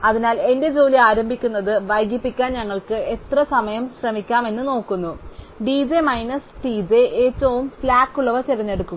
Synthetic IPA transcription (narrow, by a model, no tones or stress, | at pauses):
ɐðinaːle̞nde̞d͡ʑo̞ːliaːɾɐmbʱikʲːunːɐðɨʋɐjɡjɐpːikʲːaːnɲɐŋːɐɭkɨe̞t̪rɐsɐmɐjɐmɕrɐmikʲːaːme̞nːɨno̞ːkːunːu | ɖid͡ʑemɐjnɐsʈid͡ʑeʔeːtːɐʋumflaːkːuɭːɐʋɐt͡ɕirɐɲːe̞ɽukːu